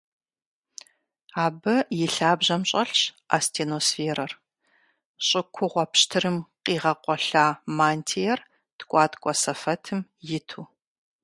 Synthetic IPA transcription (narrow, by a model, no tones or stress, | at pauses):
aːbɐjɪɬaːbʑɐmɕʼɐɬɕʔa̰stʰeːnoːsfeːɾɐr | ɕʼɪkʷʰʊʁʷɔpɕtʰɨrɨmqiːʁɐqʷɔɬaːmaːntʰejɛr | tʰkʷʼɑːtʼkʷʼɔsɐfɐtʰɨmjɪtʰuː